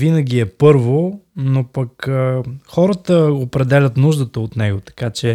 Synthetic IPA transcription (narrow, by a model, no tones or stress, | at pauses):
vinəɡ̟iɛpɤɾvonopək | xɔɾət̪əopɾɛd̪ɛlʲət̪nuʒd̪ət̪əot̪nɛɡot̪ɐ̥kat͡ʃɛ